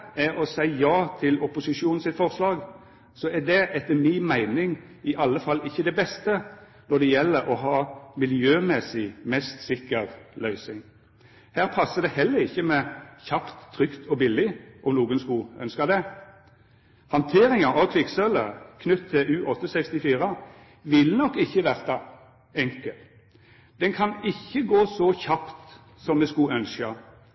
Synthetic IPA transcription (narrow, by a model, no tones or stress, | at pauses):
ɛɾɔsæɪjɑːt̪ʰɪlɔpʊsɪʂuːnn̩sɪt̪fɔʁslɑːɡ | sɔɛd̪ɛʔɛt̪ːəmɪmæɪnɪŋ | ɪʔɑlːəfɑlːɪçːəd̪ɛbɛst̪ə | nɔd̪ɛjɛlːəɾɔɦɑːmɪljøːmɛsɪmɛst̪sɪkːəʁlœʏsɪŋ | hæːʁpʰɑsːəd̪ɛhɛlːəʁɪçːəmɛçɑpt̪ʰːʁʏkt̪ʰɔbɪlːɪʔɔmnuːɡənskʉœ̰nskəd̪ɛ | hɑnt̪ʰeːɾɪŋɑʁɑʋkʰʋɪksœləʁkʰnʉt̪ʰːɪlʔʉːʔɔt̪ːəsɛkst̪ɪfiːʁə | ʋɪlnɔkːɪçːəʋæʁt̪ɑ | ɛŋkəl | d̪̥ɛnkʰɑnɪçːəɡoːsɔçɑpt̪ | sɔmmɛskʉœnskə